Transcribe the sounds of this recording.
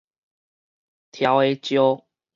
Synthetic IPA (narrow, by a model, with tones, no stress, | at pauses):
t̪ʰja˨˦we˦t͡ɕjo˦